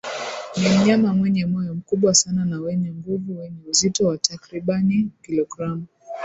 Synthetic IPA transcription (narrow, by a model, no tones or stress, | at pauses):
nim̩ɲamamwɛɲɛmɔjɔm̩kuɓwasananawɛɲɛŋɡuvuwɛɲɛuzitɔwatakɾiɓanikilɔɡɾamu